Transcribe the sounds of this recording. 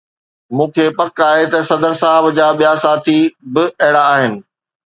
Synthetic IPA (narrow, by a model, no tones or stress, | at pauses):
mũːkʰeːpɐkaːɦet̪ɐsɐd̪əɾsaːɦɪbd͡ʑaːɓijasaːt̪ʰibɪɐɦɪɽaːɦɪnɪ̆